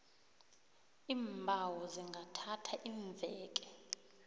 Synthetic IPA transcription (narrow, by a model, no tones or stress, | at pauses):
iːɱbʱawɔziŋɡʱatʰatʰaʔiːɱvʱɛːk̬ʼɛ